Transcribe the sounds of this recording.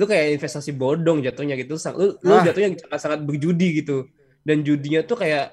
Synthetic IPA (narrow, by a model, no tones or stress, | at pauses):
tukajainfɛst̪asibodɔŋd͡ʒat̪ʊŋɲaɡit̪utsalolod͡ʒat̪ʊɲasaŋat̪saŋat̪̚bərd͡ʒudiɡit̪u | dand͡ʒudiɲat̪ukajaʔ